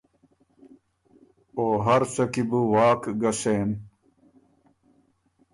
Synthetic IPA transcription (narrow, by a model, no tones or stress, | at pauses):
oːɦɐɾsɐkibuwaːkɡɐseːn